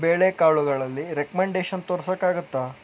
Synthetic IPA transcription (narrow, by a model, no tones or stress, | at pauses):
beːɭekaːɭuɡɐɭɐlːiɾekɐmeɳɖeːʃɐnt̪oːɾsɐkːaːɡut̪ːa